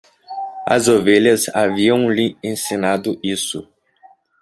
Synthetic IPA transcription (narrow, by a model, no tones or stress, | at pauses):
ɐ̰zoveʎɐzaviɐ̃w̃lɪẽsinad̪ʊisʊ